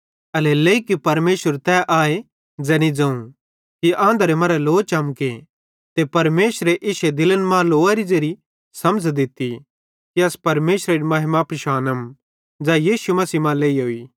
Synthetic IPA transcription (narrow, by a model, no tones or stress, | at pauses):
ɐleleːikipɐɾmeːʃəɾt̪ɛʔaːe | d͡zɛːnĩd͡zɐ̃ːũ | kiʔãːnd̪əɾemɐɾɛloːt͡ʃɐmke | t̪epɐɾmeːʃɾeʔɪʃed̪ɪlənmãːloːaɾid͡ʒeɾi | sɐmd͡zʱd̪ɪt̪ːi | kiɐspɐɾmeːʃɾeɾimɐɦɪmapɪʃaːnəm | d͡ʒajiːsumɐsiːmãːleːiɦoiː